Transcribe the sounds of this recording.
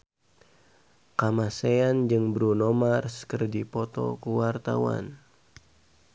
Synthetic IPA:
kamaseand͡ʒɨŋbɾunomarskərdipɔt̪ɔ̰kuwart̪a̰wa̰n

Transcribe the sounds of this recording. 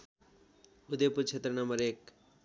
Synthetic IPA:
ud̪ejpuɾt͡sʰet̪rʌnʌmʌɾek

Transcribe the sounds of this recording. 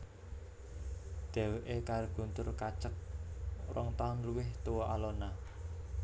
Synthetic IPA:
d̪̥ɛ̤wʔekarɡ̥ṳnt̪ʊrkat͡ʃək̚rɔŋt̪anluwɪht̪owɔʔalona

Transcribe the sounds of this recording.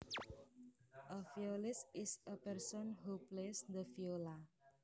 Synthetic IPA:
ʔəfiolɪsɪsəpɛɾsɔnɦuplesd̪əfiola

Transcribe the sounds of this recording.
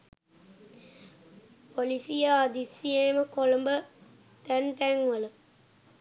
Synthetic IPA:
polisijəad̪isijeməkolombə | t̪ænt̪æŋʋələ

